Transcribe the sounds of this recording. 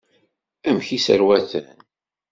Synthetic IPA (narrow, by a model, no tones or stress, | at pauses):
æmçisə̰ɾwæθæ̰n